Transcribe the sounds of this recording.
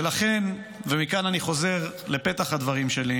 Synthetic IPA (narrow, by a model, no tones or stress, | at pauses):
laχe̞n | vemikananiχo̞ze̞ʁle̞pe̞t̪aχhad̪vaʁimʃe̞li